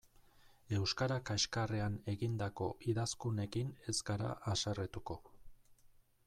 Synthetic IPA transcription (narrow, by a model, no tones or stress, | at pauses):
e̞wskaɾakaʃkareane̞ɣind̪ako̞ʔiðaskune̞kine̞zɡaɾa̰ʔasaret̪uko̞